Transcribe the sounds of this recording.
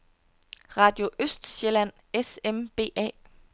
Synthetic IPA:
ʁɑ̈ːd̥jo̝ʔøsd̥ɕelæn̰ | esemb̥e̝̰ːʔɛ̰ː

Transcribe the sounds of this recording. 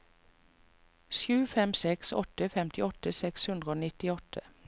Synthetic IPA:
ʃʉːfɛmsɛksɔ̰t̪əfɛmt̪ʰɪɔt̪əsɛkshʉnd̪ʁəoːnɪt̪ɪɔt̪ʰə

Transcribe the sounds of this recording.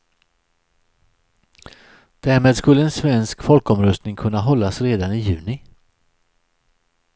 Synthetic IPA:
d̪̥æɾmeːd̪skɵlːəɛnsvɛnskfɔlkɔmɾœst̪nɪŋkʰɵnːaɦɔlːasɾeːd̪anɪjʉ̟ːnɪ

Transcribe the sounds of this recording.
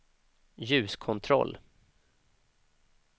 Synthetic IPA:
jʉ̟ːskʰɔnt̪ʰɾɔ̰lː

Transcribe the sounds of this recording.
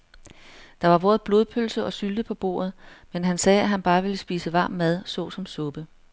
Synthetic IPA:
d̥ɑ̈ʋɑ̈ʋɔ̰ːɐðˠb̥lo̝ːð̞ˠpʰølsəʔɒ̽syld̥əpʰɒ̽b̥o̝̰ːɐð̞̩ˠmenɦænsɛːæɦænb̥ɑ̈ːʋe̝ləsb̥iːsəʋɑ̰̈ːmːæð̞ˠsɔ̰̽ːsɒ̽msɔ̽b̥ə

